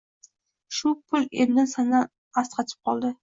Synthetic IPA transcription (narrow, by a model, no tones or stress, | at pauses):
ʃʊpʰʊlemnɪnsana | ast̪qʰɑt͡ʃ̪ʰɪ̥p̚qʰɒlˠd̪ɪ